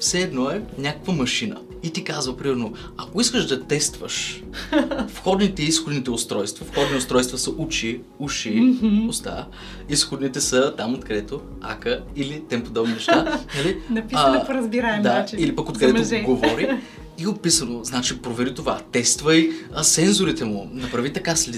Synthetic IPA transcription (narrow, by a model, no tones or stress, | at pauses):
fsɛːd̪nɔɛnʲakə̥kvəmɐʃinə̰ | it̪ikazvəpɾimɛɾno | ɐkoiskəʃd̪ɐt̪ɛst̪və̰ʃ | fxɔd̪nit̪ɛisxod̪nit̪ɛost̪ɾɔjst̪vɐfxɔd̪niost̪ɾɔjst̪vɐsɐʔut͡ʃi | uʃiost̪a̰ | isxod̪nit̪ɛsət̪amot̪kɐd̪ɛt̪o | a̰kəilit̪ɛmpod̪ɔbninɛʃt̪anɐlinɐpːɾəzbiɾaɛmd̪ailipəkot̪kɐd̪ɛɡovɔɾi | iopisənoznat͡ʃipɾovɛɾit̪ovat̪ɛst̪vəjsɛnzoɾit̪ɛmʊnɐpɾɐvit̪ɐkasli